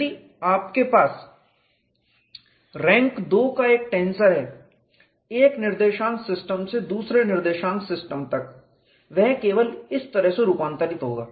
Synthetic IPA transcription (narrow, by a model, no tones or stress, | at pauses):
iː | aːpkepaːs | ɾɛ̃ːŋkd̪oːkaeːk̚ʈẽːnsəɾɦɛː | eːknɪɾd̪eːʃãːŋksɪsʈəmsed̪uːsɾenɪɾd̪eːʃãːŋksɪsʈəmt̪ɐk | ʋɛɦkeːʋəlɪst̪ɐɾəɦseɾuːpãːnt̪əɾɪt̪ɦo̰ːɡaː